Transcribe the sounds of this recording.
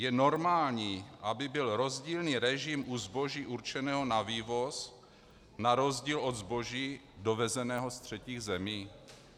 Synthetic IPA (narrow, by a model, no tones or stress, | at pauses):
jɛno̞ɾmaːlɲiːʔabɪbɪlɾo̞zɟiːlniːɾɛʒimʔuzbo̞ʒiːʔuɾt͡ʃɛnɛːɦo̞naviːvo̞s | naɾo̞zɟiːlo̞d̪zbo̞ʒiː | dovɛzɛnɛːɦost̪r̝̥ɛciːɣzɛmiː